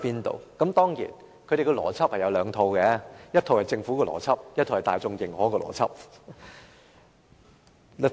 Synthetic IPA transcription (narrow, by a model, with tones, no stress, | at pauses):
piː˥nt̪o̰˨˧wkɐ˨˦˥mt̪ɔː˥ŋjḭː˨˩n | kʰɵ˨˧ɾe˨˩kɔː˧lɔ̰ː˨˩t͡sʰɐ˥p̚hɐ˨˩jɐ˨˧wlœː˨˧ŋt̪ʰo˧wkɛ˧˦jɐ˥t̚t̪ʰo˨˧whɐ˨˩jt͡sɪ˧ŋfuː˨˥kɔː˧lɔ̰ː˨˩t͡sʰɐ˥p̚jɐ˥t̪ʰo˨˧whɐ˨˩taː˨jt͡sʊ˧ŋjɪ˨˩ŋhɔː˨˥kɔː˧lɔ̰ː˨˩t͡sʰɐ̰˥p̚